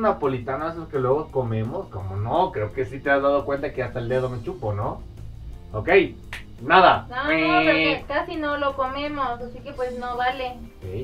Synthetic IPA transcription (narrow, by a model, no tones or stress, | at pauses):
napolit̪anoes̬okelweɣokomemoskomonokɾeokesit̪eazðaðokwent̪akeast̪aeld̪eðomet͡ʃupono | okej | naðanoeeɾekasinolokomemosasikepwesnoβalekej